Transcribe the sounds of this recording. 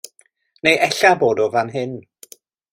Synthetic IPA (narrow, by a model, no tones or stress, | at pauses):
nejʔɛɬaboːdɔvanɦɪn